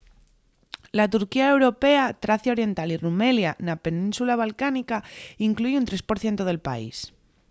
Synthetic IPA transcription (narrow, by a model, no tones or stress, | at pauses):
lat̪uɾkiae̞wɾo̞pe̞at̪ɾaθjao̞ɾje̞nt̪alirume̞ljanape̞nĩnsulaβ̞alkanikaiŋkluʝunt̪ɾe̞spo̞ɾθje̞nt̪oð̞e̞lpa̰ḭs